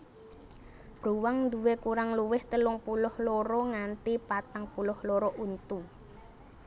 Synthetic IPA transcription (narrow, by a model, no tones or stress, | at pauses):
b̥ɾuwaŋnd̪uwekuɾaŋluwɪht̪əlʊŋpulʊhlɔɾɔŋant̪ipat̪aŋpulʊhlɔɾɔʔunt̪u